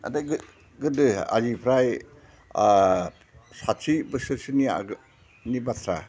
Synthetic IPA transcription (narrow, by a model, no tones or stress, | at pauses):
a̰daɡɯ | ɡɯdɯa̰zipʰɾaj | sat͡ʃibɯsɯɾsɯnia̰ | nibat̪ʰɾa